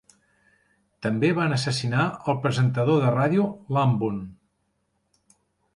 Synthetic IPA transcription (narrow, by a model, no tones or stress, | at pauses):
t̪əmbeβanəsəsinaəlˠpɾəzənt̪əðoðəraðjulambun